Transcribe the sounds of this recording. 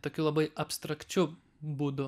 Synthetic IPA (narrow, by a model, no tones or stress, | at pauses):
t̪oːkʲulˠɐbɐɪʔɐpst̪ɾɐkt͡ʃʲʊ | buːd̪ʊ